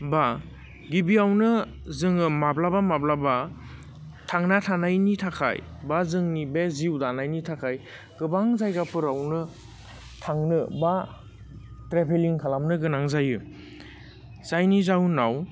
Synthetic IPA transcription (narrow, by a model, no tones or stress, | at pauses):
ba | ɡibiawnɯ | zɯŋɯmablabamablaba | tʰaŋnatʰanajnitʰakʰa̰jbazɯŋnibeziwdanajnitʰakʰaj | ɡ̥ɯbaŋzajɡapʰɯɾawnɯ | tʰaŋnɯba | tɾepʰeliŋkʰalamnɯɡɯnaŋzajɯ | z̥ajnizawnaw